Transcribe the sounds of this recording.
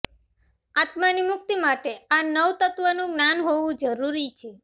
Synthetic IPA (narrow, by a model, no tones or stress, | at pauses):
at̪manimʊk̚t̪imaʈeanəʋt̪ət̪ʋənũɡnanɦoʋũd͡ʒəɾuɾit͡ʃʰe